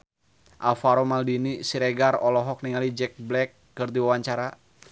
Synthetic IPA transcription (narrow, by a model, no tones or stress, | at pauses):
ʔafaɾomaldinisiɾɛɡarɔlɔɦɔk̚niŋalid͡ʒɛk̚blɛkːɨrdiwawaɲt͡ʃaɾa